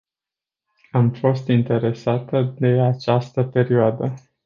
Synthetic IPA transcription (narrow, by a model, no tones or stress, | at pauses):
amfo̞st̪int̪e̞ɾe̞sat̪əd̪e̞at͡ʃast̪əpe̞ɾioad̪ə